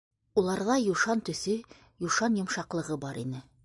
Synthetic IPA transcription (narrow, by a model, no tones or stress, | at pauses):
ulˠɑɾðɑjuʃɑnt̪ɵ̆sɵ | juʃɑnjŏmʃɑqlˠɤ̆ʁɤbɑɾinɘ